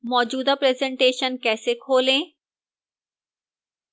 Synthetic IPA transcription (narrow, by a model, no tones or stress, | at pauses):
mɔːd͡ʒuːd̪apɾeːzɛ̃ɳʈeːʃənkɛːsekʰoːlẽː